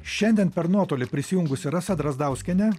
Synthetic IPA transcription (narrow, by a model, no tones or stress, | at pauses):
ʃʲɛnʲd̪ʲiɛnpʲɛɾnuɔt̪oːlʲɪpʲɾʲɪsʲɪjʊŋɡʊsʲɪɾɐsɐd̪ɾɐzd̪ɐˑʊsʲkʲɛnʲɛ